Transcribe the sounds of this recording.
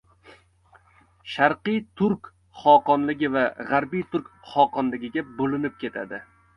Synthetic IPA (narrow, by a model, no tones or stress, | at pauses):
ʃaɾqɨjt̪ʰʊɾkʲ | χɒqɒnlɪɡʲɪvaʁaɾbijt̪ʰʊɾkʲχɒqʰɒnlɪɡʲɪɡʲabolɪnɪp̚kʲʰe̞t̪ʰa̰d̪ɪ